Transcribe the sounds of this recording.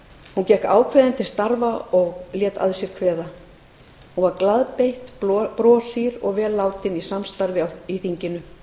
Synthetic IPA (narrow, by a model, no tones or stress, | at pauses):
huncɛhka̰ːwkʰvɛːðant̪ɪ̥st̪aɾvaɔɣljɛːt̪a̰ðsjɛɾ̥kʰvɛːða | hunvaɾklaðpejht̪pɾɔːsiɾɔɣvɛːlːaːwt̪ɪnisamst̪aɾvɪaiθiɲcɪnʏ